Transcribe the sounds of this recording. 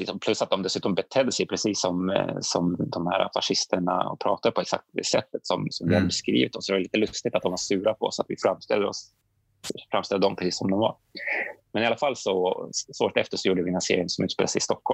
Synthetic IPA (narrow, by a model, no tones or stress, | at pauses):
pʰlɵsːat̪̚d̪ɔmd̪ɛsʉ̟ːt̪ɔmbɛt̪ʰɛd̪ːəsɛjpʰɾɛsiːsːɔmsɔmd̪ɔmhæːɾa̰faʂɪst̪ʰəɳa̰ɔ̰pʰɾɑ̰ːt̪ad̪əpʰɔɛksa̰k̚t̪d̪ɛsɛt̪ːət̪sɔmsɔmvɪhad̪əbɛskɾḭːvɪt̪ɔmsɔdɛvɛliːt̪əlɵst̪ɪɡt̪at̪d̪ɔmvaʂʉːɾapʰɔɔsːat̪vɪfɾamːst̪ɛ̰lːəɾɔ̰s | fɾamst̪ɛlːəd̪ɔmpʰɾɛsiːsɔmd̪ɔmva̰ɾ | mɛnɪalːafalːsɔsvo̰ːɾt̪ɛft̪əʂɔjuːɖəvɪɛnasḛːɾɪənsɔmʉ̟t̪speːlsɛɪjɪst̪ɔkːɔlm